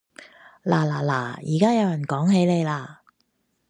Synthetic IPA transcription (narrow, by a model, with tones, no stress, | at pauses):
laː˨˩laː˨˩la̰ː˨˩jḭː˨˩kaː˥jɐ˨˧wjɐ˨˩nkɔː˨˥ŋɦe˨˥jle˨˧jlaː˧